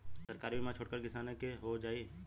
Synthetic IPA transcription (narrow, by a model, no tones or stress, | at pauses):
sɐɾkaːɾbʱimãt͡ʃʰoːɽkəɾkɪsaːnẽkeɦod͡ʒaːi